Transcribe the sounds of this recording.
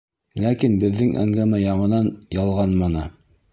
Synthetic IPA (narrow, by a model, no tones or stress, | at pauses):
lækinbɘ̆ðːɘŋʔæ̰ŋɡæmæjɑɴɤ̆nɑnjɑlˠʁɑnmɑnɤ